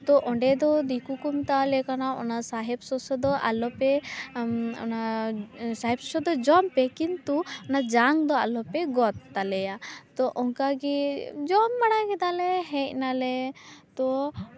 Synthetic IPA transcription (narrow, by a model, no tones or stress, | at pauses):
t̪ɔʔɔɳɖɛd̪ɔd̪ikukumt̪alɛkanaɔ̰nasaɦɛbsɔsɔd̪ɔʔa̰lɔpɛ | ɔ̰na | saɦɛbsɔsɔd̪ɔd͡ʒɔmpɛkint̪uɔnad͡ʒaŋd̪ɔa̰lɔpɛɡɔt̪ːalɛjat̪ɔʔɔŋkaɡɛd͡ʒɔmbaɽajkɛd̪alɛɦɛc̚nalɛt̪ɔ